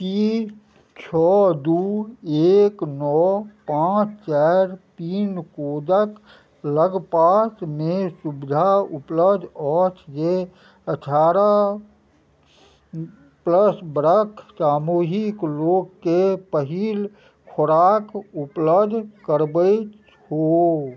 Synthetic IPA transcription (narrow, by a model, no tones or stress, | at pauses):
piː | t͡ʃʰɔːd̪uːeːknɔːpãːt͡ʃʰt͡ʃaɾt̪iːnkoːd̪ək | ləɡpaːsmẽsubɪd̪ʱaʊpləbd̪ʱɔːt͡ʃje | əʈʰaːɾa | pləsbɾəkʰsaːmoːɦɪkloːɡkepəɦiːl | kʰoɾaːkʊpləbd̪ʱkəɾbət͡ʃ | hoː